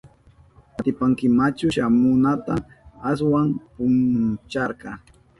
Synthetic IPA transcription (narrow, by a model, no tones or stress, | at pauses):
at̪ɪpaŋkɪmat͡ʃʊʃamʊnat̪a | as̬wampʊnt͡ʃɑɾqɑ